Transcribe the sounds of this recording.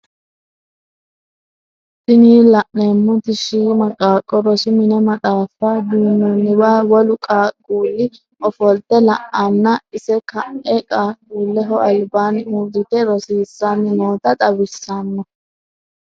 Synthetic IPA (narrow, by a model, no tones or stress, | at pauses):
sɪniːlɐʔneːmːʊt̪ɪʃiːmɐkʼːaːkʼːɔɾɔsɪmɪnɛmɐt̪ʼaːfɐd̪uːnːɔnːɪwaːwɔlʊkʼaːkʼːuːlːɪ | ɔfɔld̪ɛlɐʔɐnːɐɪsɛkɐʔɛkʼaːkʼuːlːɛɦɔʔɐlbanud̪ɪt̪ɛɾɔsiːsːanɪnoːt̪ɐt̪ʼɐwɪsːɐnːɔ